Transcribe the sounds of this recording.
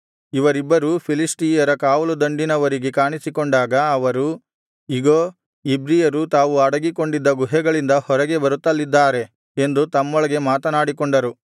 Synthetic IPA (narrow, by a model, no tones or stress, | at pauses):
iʋɐɾibːɐɾupʰilisʈiːjɐɾɐkaːʋɐlud̪ɐɳɖinɐʋɐɾiɡekaːɳisikoɳɖaːɡɐːʋɐɾu | iɡoː | ibɾijɐɾut̪aːʋuɐɽɐɡiko̞ɳɖid̪ːɐɡuɦɛɡɐɭind̪ɐhɔɾɐɡe̞bɐɾut̪ːɐlːid̪ːaːɾe̞ | end̪ut̪ɐmːɔɭɐɡe̞maːt̪ɐnaːɽikoɳɖɐɾu